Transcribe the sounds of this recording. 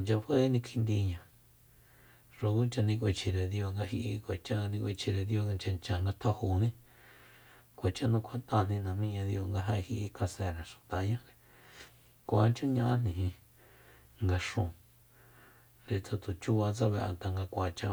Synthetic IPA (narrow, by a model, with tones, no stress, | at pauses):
nt͡ʃa˧hwe˦nĩ˧kʰi˧nd̪i˧ɲã˧˨ | ʂo˧ku˦nt͡ʃa˧nĩ˧k̬ʷe˧t͡ʃʰi˨ɾe˨ðjo˧ŋɡa˧ɦi˧ʔi˧kʷe˨t͡ʃa˦a˧nĩ˧kʷe˧t͡ʃʰi˧ɾe˨ðjo˧nt͡ʃa˧nt͡ʃa˨ŋɡa˧t̪ʰo˦hu˨nĩ˦ | kʷe˨t͡ʃa˦˧nũ˧kʷʰa˧t̪a˧˨nĩ˧nã˨mĩ˦ɲã˧ðjo˧ŋɡa˧ɦa˧hi˧ʔi˧kʰa˧se˧˨ɾa˨ʃu̥˨t̪a˨˦ɲã˦ɾe˧ | kʷa˨˧˦nt͡ʃũ˦ɲã˧ʔnĩ˧ĩ˧ | ŋɡa˧ʂũ˧˨ | ɾe˧t͡sa˧t̪u˨t͡ʃu˦βa˧t͡sa˦βe˧ʔa̰˧t̪a˧ŋɡa˧kʷa˨t͡ʃa˧